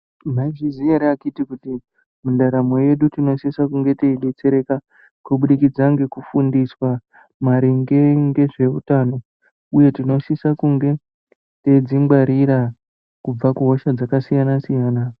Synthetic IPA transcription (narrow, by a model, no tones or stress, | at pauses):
maiʐizijaɾiakitikuti | mundaɾamo̞je̞ɗutino̞sisakuŋɡe̞teiɗe̞t͡se̞ɾe̞ka | kuɓuɗikid͡zaŋɡe̞kufundiswa | maɾiŋɡe̞ŋɡe̞ʐe̞ṵtaːno̞ | uje̞tino̞sisakuŋɡe̞ | te̞d͡zimɡwaɾiɾa | kub͡vakuɦo̞ʃad͡zakasijanasijaːna